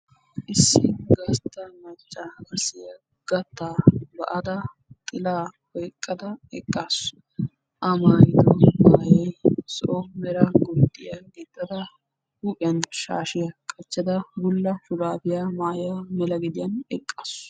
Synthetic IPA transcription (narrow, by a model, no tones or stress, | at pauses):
ʔɪsːɪɡɐst̪ːɐmɐt͡ʃʼːaɐsɪjɐ | ɡ̥ɐt̪ːaːbɐ̰ʔɐd̪ɐ | t̪ʼɪlaːhɔjkʼːɐd̪ɐɛkʼːaːs | ʔɐmaːjɪd̪ɔmaːjɛjsɔʔɔmɛɾɐɡʊd̪ːɪjɐɡɛt̪ːɐd̪ɐ | huːpʼɪjɐnʃa̰ːʃɪjɐkʼɐt͡ʃːɐd̪ɐbʊlːɐfʊɾaːbɪjamaːjamɛlɐɡɪd̪ɪjɐnɛkʼːaːs